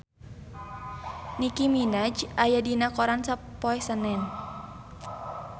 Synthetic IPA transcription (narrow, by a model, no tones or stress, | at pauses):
nikiminad͡ʒajadinakɔɾansapɔɛsənɛn